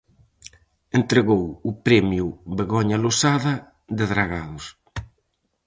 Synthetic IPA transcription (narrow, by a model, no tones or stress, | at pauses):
ent̪ɾeɣowʊpɾɛmjuβeɣɔɲalosaðɐ | ðeðɾaɣaðʊs